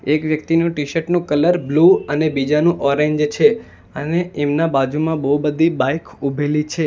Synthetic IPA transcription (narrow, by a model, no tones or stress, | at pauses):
ekʋjəkt̪inũʈiʃəʈnũkələɾbluənebid͡ʒanũʔɔɾeɲd͡ʒt͡ʃʰe | əneemnabad͡ʒumãbəubəd̪ʱibajkʰubʱelit͡ʃʰe